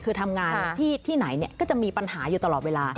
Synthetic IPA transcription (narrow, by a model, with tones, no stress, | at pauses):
kʰɯː˧t̪ʰa˧mŋaː˧nʰiː˥˩t̪ʰiː˥˩na˩˦jni˥˩kɔː˥˩t͡ɕa˨˩miː˧pa˧nhaː˩˦juː˨˩t̪a˧lɔː˨˩weː˧laː˧